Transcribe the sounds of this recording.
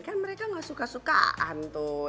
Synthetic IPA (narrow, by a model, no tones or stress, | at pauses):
kanməɾekaŋasukasuka̰ʔa̰nt̪u